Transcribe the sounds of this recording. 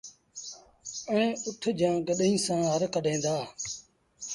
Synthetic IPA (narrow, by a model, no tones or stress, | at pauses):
ə̃ːʊʈʰd͡ʒãːɡəɗɦĩːsãːɦəɾkəɖʱẽːnd̪aː